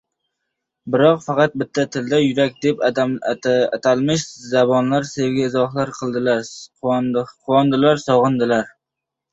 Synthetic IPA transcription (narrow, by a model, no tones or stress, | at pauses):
bɪɾɒqfɑqɑt̪̚bɪt̪ʰːat̪ʰɪld̪ajʊɾak̚ʲd̪e̞p̪ | at̪ʰalmɪʃzabɒnlaɾse̞vɡʲaɪzɒχlaɾqʰɨlˠd̪ɪlaɾ | qʰʊɒnd̪ɪlaɾsɒʁɨnd̪ɪlaɾ